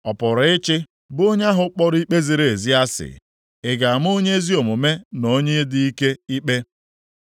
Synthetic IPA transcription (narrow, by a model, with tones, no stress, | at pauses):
ɔ˨pʊ˨ɾɪ˦t͡ʃɪ˦ | bʊ˦ɲa˦ɦʊ˦k͡pɔ˦ɾi˦k͡pe˦zi˨ɾe˨e˨zi˦a˦sɪ̰˨ | ɪ˨ɡa˨m˦o˦ɲe˦zi˦o˨mʊ˨me˦no˦ɲe˦dɪ˦i˦ke˦i˦k͡pe˦